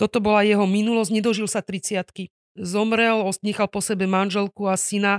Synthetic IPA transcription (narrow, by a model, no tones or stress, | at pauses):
t̪ɔt̪ɔbɔlajɛɦɔminulɔzɲɛd̪ɔʒilsat̪ɾit͡sɪat̪ki | zɔmɾɛlɔsɲɛxalpɔsɛbɛmanʒɛlkuasina